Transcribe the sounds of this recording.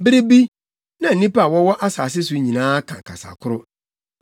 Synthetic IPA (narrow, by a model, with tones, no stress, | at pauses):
bɪ˦ɾi˦bi˦ | nã˨nĩ˦pa˦˨wɔ˦wɔ˦ʔa˦saː˨s̬ɪ˦s̬ʊ˨˦ɲĩ˨nãː˦kʰã̰˨kʰa̰˨sa̰˨kʰʊ˦ɾʊ˦